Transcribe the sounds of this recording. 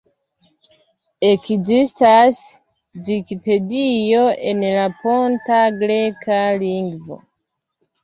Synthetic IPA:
e̞kzistas | vikipe̞dio̞ʔe̞nlapo̞ntaɡɾe̞kaliŋɡvo̞̰

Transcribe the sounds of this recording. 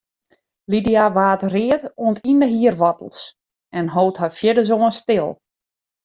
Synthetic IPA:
lidijaʋaːtrɪətoəntʰindəɦiərʋɔtəl̩ˠs | ɛnɦoːthafjɪdəzoːənstɪlˠ

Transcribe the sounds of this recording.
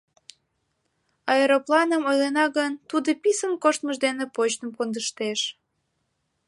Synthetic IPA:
ɑeɾoplɑnəmojlenɑɣənt̪ud̪əpisəmkoʃt̪məʒd̪enepot͡ɕt̪əmkond̪əʃt̪eʃ

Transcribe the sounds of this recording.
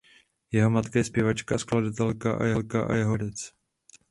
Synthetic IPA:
jɛɦo̞mat̪kajɛspjɛvat͡ʃkaskladat̪ɛlkaʔa̰jɛlkaʔa̰jɛɦodɛt͡s

